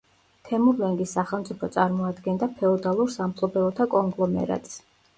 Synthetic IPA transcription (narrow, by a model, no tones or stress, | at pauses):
t̪ʰɛmuɾlɛŋɡisːaχɛlˠmt̪sʼipʰɔt̪sʼaɾmɔad̪ɡɛnd̪apʰɛɔd̪alˠuɾsampʰlˠɔbɛlˠɔt̪ʰakʼɔŋɡlˠɔmɛ̰ɾa̰t̪ʼs